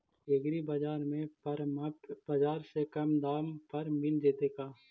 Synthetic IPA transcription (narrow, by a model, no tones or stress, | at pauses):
eːɡɾibɐd͡ʒaːɾmẽpəɾmɐpbɐd͡ʒaːɾsekɐmd̪aːmpɐɾmɪnd͡ʒeːt̪ekaː